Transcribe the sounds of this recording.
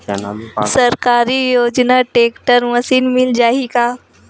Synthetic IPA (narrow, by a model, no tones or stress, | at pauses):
səɾkaɾiːjod͡ʒnaʈekʈəɾməsiːnmild͡ʒaɦika